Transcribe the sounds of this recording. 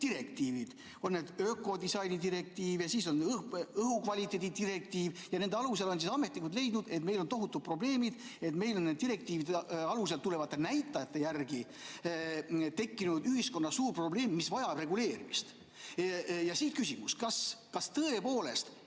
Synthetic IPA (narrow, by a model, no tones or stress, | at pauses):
d̪̥iɾe̞kt̪iːvid̪̥ | o̞nːed̪̥øːkːˑo̞d̪isɑjnid̪iɾe̞k̚t̪iːvjɑsiːso̞nɤɦukvɑlʲit̪ːˑe̞ːd̪̥ʲid̪iɾe̞k̚t̪iːvjɑne̞nd̪eɑluselo̞ns̬isɑme̞t̪ːˑnikult̪le̞jd̪̥nud̪e̞t̪me̞jlo̞nt̪o̞ɦut̪ːˑud̪̚pro̞ble̞ːmid̪̥e̞t̪me̞jlo̞nːed̪iɾe̞k̚t̪iːvid̪eɑlus̬elt̪ːule̞vɑt̪ˑːe̞næjt̪ːˑɑjɑt̪ˑːe̞jærɡ̥i | t̪e̞kːinud̪yɦisko̞nːɑsuːrpro̞ble̞ːmːisvɑjɑbre̞ɡule̞ːɾimist̪ | jɑsiːt̪kysimuskɑskɑst̪ɤe̞po̞ːle̞st̪